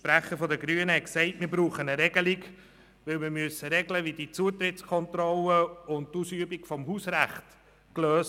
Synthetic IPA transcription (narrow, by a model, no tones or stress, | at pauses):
ʃpɾæχəɾfɔdəɡɾyːənəhɛksɛɪtmɪːɾbɾuːχənəɾɛɡəliɡ | ʋɪlmɪːɾmyəsːəɾɛɡləʋidit͡suət̪rɪtt͡skʰɔntrɔləʊndtusyəbikfɔmhuːsræχt | kløːs